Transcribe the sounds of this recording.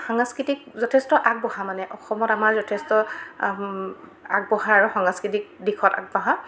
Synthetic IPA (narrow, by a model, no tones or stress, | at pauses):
xaŋskɹitik̚zɔtʰɛstɔʔaɡ̚bɔɦamanɛʔɔxɔmɔtamaɹzɔtʰɛstɔ | a̰ɡ̚bɔɦaaɹuxaŋaskɹitik̚dixʰɔta̰ɡ̚bɔɦa